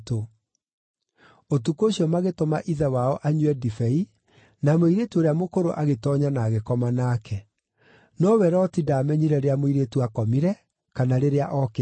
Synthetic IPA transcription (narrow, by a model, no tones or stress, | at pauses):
to | otukoɕiɔmaɣetomaʔiðawaɔʔaɲuɛdifɛi | namoiɾetuoɾeamokoɾo̰ʔaɣetɔɲanaːɣekɔmanakʰɛ | nɔwɛɾɔtidamɛɲiɾɛɾeamoiɾetuakɔmiɾɛ | kanaɾeɾeaʔɔke